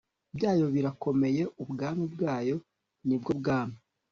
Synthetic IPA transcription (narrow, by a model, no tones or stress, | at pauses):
bjaːjo̞βiɾako̞me̞je̞ʔubɡaːmibɡaːjo̞ | nibɡobɡaːmi